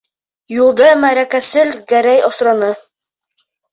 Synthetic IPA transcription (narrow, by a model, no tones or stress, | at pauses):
julˠd̪ɤmæɾækæsɘlɡæɾæjɑsɾɑnɤ